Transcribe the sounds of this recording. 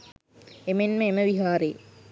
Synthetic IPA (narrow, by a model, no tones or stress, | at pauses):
emenməeməʋiɦaːɾej̰